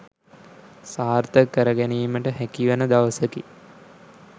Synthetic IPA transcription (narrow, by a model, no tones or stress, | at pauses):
saːrt̪əkːəɾəɡæniːməʈəɦækiʋənəd̪aʋəsəki